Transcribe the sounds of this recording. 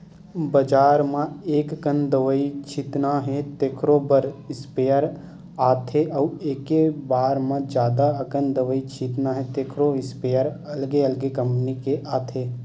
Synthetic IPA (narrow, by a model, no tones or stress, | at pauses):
bəd͡ʒaːɾmãeːkkənd̪əʋəit͡ʃʰɪt̪naɦɛ̃t̪eːkʰɾobəɾɪspeːəɾ | aːt̪ʰeʔɔːeːkebaːɾmãd͡ʒjaːd̪aɐkənd̪əʋəit͡ʃʰɪt̪naɦɛ̃t̪eːkʰɾoɪspeːjəɾ | ɐlɡeəlɡekɐ̃mpnikeʔaːt̪ʰeː